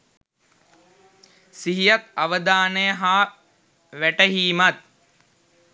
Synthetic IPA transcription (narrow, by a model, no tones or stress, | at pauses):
siɦijat̪̚aʋəd̪aːnəjəɦaː | ʋæʈəɦiːmat̪̚